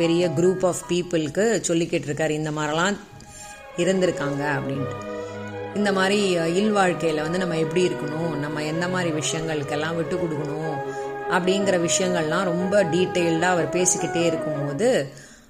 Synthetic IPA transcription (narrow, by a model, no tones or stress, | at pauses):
pɛɾɪjɐɡɾuːpːaːfpiːpɪlkːɯsɔlːɪkːɪʈːɪɾɯkːaːɾɪnd̪ɐmaːd̪ɾilãː | ɪɾɯnd̪ɪɾɯkːaːŋɡɐɐpːɐɽɪnɐ | ɪnd̪ɐmaːd̪ɾiɪlʋaːɻkɐjɪlɐʋɐnd̪ɯnɐmːɐɛpːɐɽiɪɾɯkːɐɳʊ̃nɐmːɐɛnd̪ɐmaːd̪ɾiʋɪʂɐjɐŋɡɐɭɯkːɛlːãːʋɪʈːɯkːɔɽɯkːɐɳʊ̃ | ʔɐpːɐɽɪjŋɡɐɾɐʋɪʂɐjɐŋɡɐɭlãːɾɔmbɐɖiːʈːɐɪlɖaːɐʋɐɾpeːsɯkːɪʈːeːɪɾɯkːɯmpoːðɯ